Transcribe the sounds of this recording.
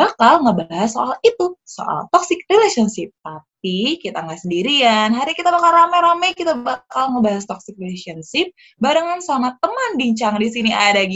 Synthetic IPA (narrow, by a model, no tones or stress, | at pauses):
bakalŋəbaɦasːoʔalit̪uso̰ʔa̰lt̪ɔksɪk̚rilesɔnsɪp̚t̪ap̚ikit̪aŋɡasəndiɾianɦaɾiɲakit̪abakalɾamɛɾamɛjkit̪abakalŋəbaɦast̪ɔksɪk̚rilesiɔnsɪp̚ | badəŋansamat̪əmənbiɲt͡ʃaŋndisiniadaɡi